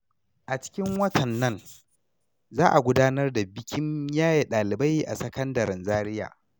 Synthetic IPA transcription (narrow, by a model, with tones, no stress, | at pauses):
ʔa˨t͡ʃɪ̥˦kʲɪ˦ŋwɐ˦tʰɐ˨nːɐ˦n | zaː˦ʔa˨ɡʷʊ˦daː˦nɐ˦rda˨bɪ˦kʲɪ˦ɲjaː˦je˨ɗaː˨lɪ˨ba˦jʔa̰˨sɐ˦kɐ˦ndɐ˨ɾɪ˨nzaː˦ɾɪ˦ja̰ː˨